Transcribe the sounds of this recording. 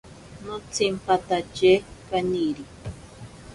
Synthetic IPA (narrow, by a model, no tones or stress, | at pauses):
not͡sʰimpat̪at͡ʃekaniɾi